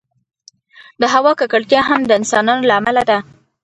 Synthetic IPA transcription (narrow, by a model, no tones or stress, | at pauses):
d̪əɦawɑkakaɽt̪jɑɦamd̪əɪnsɑnɑnolaːmalad̪a